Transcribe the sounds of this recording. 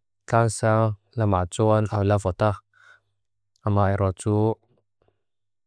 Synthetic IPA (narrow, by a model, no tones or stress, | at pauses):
kaŋsa | lamat͡sɔnawlavɔt̪a | amajɾɔt͡su